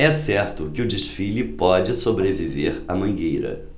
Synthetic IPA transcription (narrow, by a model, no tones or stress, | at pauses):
ɛsɛɾt̪ʊkɪʊd͡ʒiʃfilʊpɔd͡ʒɪsobɾeviveɾɐmɐ̃ŋɡejɾɐ̰